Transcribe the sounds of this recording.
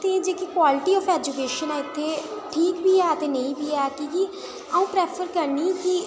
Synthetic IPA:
t̪eːd͡ʒeːkikwaːlɪʈiːɔːfɛːd͡ʒukeːʃənɛːɪt̪ʰːeːʈʰiːkbiːɛːt̪eːnə̃ĩːbʱiːɛːkiki | əũːpɾɛːpʰəɾkəɾniːki

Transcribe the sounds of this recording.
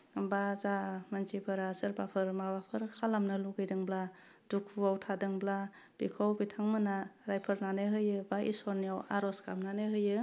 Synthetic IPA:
bazamant͡ʃibʰɯɾasɯɾbapʰɯɾmabapʰɯɾkʰalamnɯluɡɯjdɯŋbla | d̥ukʰuawtʰadɯŋbla | b̥ikʰawbitʰaŋmɯnaɾajpʰɯɾnanɯɦɯjɯbaʔḭsɔɾnijawaɾɔskamnanɯɦɯjɯ

